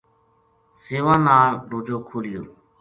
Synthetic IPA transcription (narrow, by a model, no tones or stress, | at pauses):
seːʋãːnaːɾɖoːd͡ʒoːkʰoːlɪjo̰ː